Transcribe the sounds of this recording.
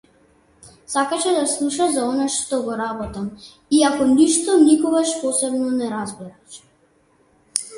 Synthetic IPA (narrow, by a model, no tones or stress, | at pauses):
sakaʃɛd̪aslˠuʃazaɔnaʃt̪ɔɡɔɾabɔt̪am | iakɔniʃt̪ɔnikɔɡaʃpɔsɛbnɔnɛɾazbɛɾaʃ